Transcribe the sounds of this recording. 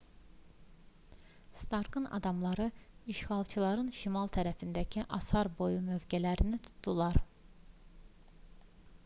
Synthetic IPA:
st̪ɑɾɡɯnɑ̰d̪ɑmlˠɑɾɯiʃχɑlˠt͡ʃʰɯlˠɑɾɯnʃimɑlˠt̪ʰæɾæfind̪æcʰiʔɑsɑɾbo̞jumø̞vɟælæɾinit̪ʰu̥t̪ʰːulˠɑɾ

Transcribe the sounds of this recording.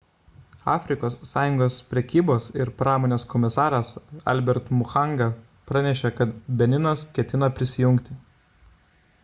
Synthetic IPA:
ɑːfʲɾʲɪkoːsːɑːjʊŋɡoːspʲɾʲɛkʲiːboːsɪɾpɾɑːmoːnʲeːskɔmʲɪsɑːɾɐsɐ̰lʲbʲɛɾt̪mʊxɑˑŋɡɐ | pɾɑnʲɛʃʲɛkɐt̪bʲɛnʲɪnɐskʲɛt̪ʲɪnɐpʲɾʲɪsʲɪjʊŋʲˑkt̪ʲɪ

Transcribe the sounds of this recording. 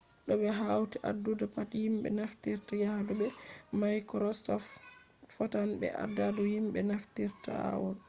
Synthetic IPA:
ɗɔbɛɦawtiʔa̰dːudapatihimɓɛ̰naftiɾtaɡahadubɛmajkɔɾɔstɔf | fatanbɛ̰ʔa̰daduhimbɛnaftiɾta̰a̰wɔl

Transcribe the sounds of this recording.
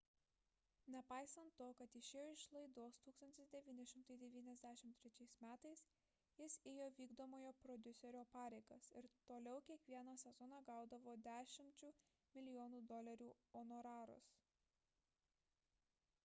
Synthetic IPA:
nʲɛpɑɪsɐnt̪ːoːkɐt̪ɪʃʲeːjoɪʃlˠɐɪd̪oːst̪uːkst̪ɐnʲt̪ʲɪsd̪ʲɛʋʲiːnʲɛʃʲɪmt̪ɐɪd̪ʲɛʋʲiːnʲɛzʲd̪ʲæːʃʲɪmt̪ʲɾʲɛt͡ʃʲɛɪsmʲæːt̪ɐɪs | jɪseːjoːʋʲiːɡd̪oːmoːjoːpɾɔd̪ʲʊsʲɛɾʲoːpɑːɾʲɛɪɡɐsɪɾt̪oːlʲɛʊkʲiɛkʋʲiɛnɐsʲɛzɔnɑɡɑˑʊd̪ɐʋoːd̪ʲæːʃʲɪmʲt͡ʃʲuː | mʲɪlʲɪjɔːnuːd̪ɔlʲɐɾʲuː | ɔnɔɾɑːɾʊ̰s

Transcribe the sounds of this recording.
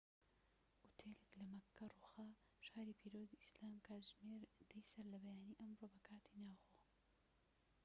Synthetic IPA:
ʔut̪ʰeleklɐmɐkʰːɐruːxɐ | ʃaːɾipʰiːɾoːziʔislaːmkʰaːʒmeːɾd̪ɐjsɐɾlɐbɐjaːniːʔɐmroːbɐkʰaːt̪ʰinaːwxoː

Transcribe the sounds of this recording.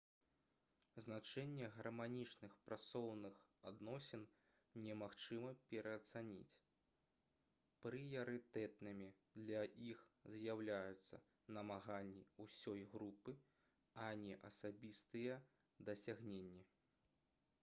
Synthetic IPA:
znat͡ʂɛnʲːɛɣɐrmanʲit͡ʂnɨxpɾʔat̪sɔwnɨxad̪nɔsʲɛn | nʲɛmaxt͡ʂɨmɐpʲɛɾʔɐːt̪sanʲḭt͡sʲ | pɾɨjɐɾɨt̪ɛt̪̚nɨmʲi | d̪lʲɐʔixzʲjawlʲajut̪sːɐ̰ | nɐmaɣanʲːiusʲɔjɣɾupɨ | ɐnʲɛʔɐsabʲist̪ɨjɛ | d̪ɐsʲaɣnʲenʲːi

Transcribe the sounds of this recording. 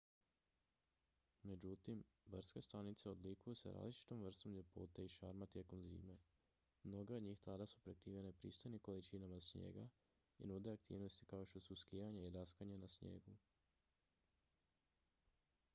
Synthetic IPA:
me̞d͡ʑut̪imbr̩ske̞st̪anit̪seo̞d̪likujusḛɾa̰ːzlit͡ʃi̥t̪o̞mr̩st̪o̞mʎe̞po̞̰t̪e̞iʃaɾmat̪je̞ko̞mzḭːme̞ | mno̞ɡe̞od̪ɲiːxt̪ad̪asupɾekɾiːʋje̞ne̞pɾḭːst̪o̞jniko̞lit͡ʃinamasɲje̞̰ːɡa̰ | ḭnuːd̪eak̚t̪ḭːʋno̞st̪i̥kaoʃt̪o̞suskijaɲaid̪askaɲanasɲḛɡu

